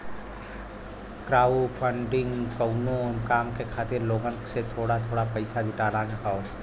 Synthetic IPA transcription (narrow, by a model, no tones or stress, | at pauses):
kɾaːupʰəɳɖɪ̃ŋɡkɐʊnõnkaːmkekʰaːt̪ɪɾloːɡənset̪ʰoːɽat̪ʰoːɽapɐɪsad͡ʒʱɪʈaːɾankʰao